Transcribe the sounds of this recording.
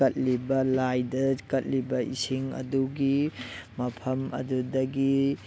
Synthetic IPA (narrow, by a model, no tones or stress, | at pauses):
ɐt̚libɐlajdɐkɐt̚libɐʔisiŋɐ̰duɡimɐpʰɐmɐ̰dudɐɡi